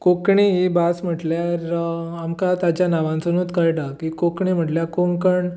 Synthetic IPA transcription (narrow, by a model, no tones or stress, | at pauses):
kokɳiɦibasm̤əʈljaɾamkat̪ad͡ʑjanaʋãnt͡sənut̪kəjʈakikokɳim̤əʈljakoŋkəɳ